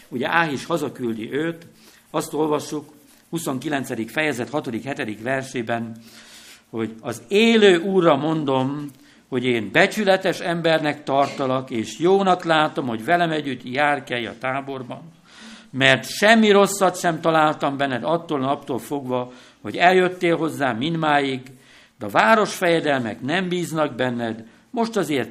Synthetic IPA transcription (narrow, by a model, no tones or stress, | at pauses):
uɟɛ̰ʔaːɦiʃhɒzɒkyld̪ḭʔøːt̪ | ɒst̪o̞lvɒʃːuk | huso̞ŋkilɛnt̪sɛd̪ikfɛjɛzɛt̪hɒt̪o̞d̪ikhɛt̪ɛd̪ikʋɛrʃeːbɛn | ho̞ɟɒzeːløːʔuːrːɒmo̞nd̪o̞m | ho̞ɟeːnbɛt͡ʃylɛt̪ɛʃɛmbɛrnɛkt̪ɒrt̪ɒlɒkeːʃjoːnɒklaːt̪o̞mho̞ɟvɛlɛmɛɟːyt̪jaːrkɛjɒ̰t̪aːbo̞rbɒn | mɛrt̪ʃɛmːiɾo̞sːɒt̪ʃɛmt̪ɒlaːlt̪ɒmbɛnːɛd̪ɒt̪ːoːlnɒpt̪oːlfo̞ɡʋɒ | ho̞̰ɟɛljøt̪ːeːlɦo̞zːaːmind̪maːjiɡ | d̪ɛɒvaːɾo̞ʃfɛjɛd̪ɛlmɛ̰knɛmbiːznɒɡ̚bɛnːɛd̪ | mo̞ʃt̪ɒzeːrt̪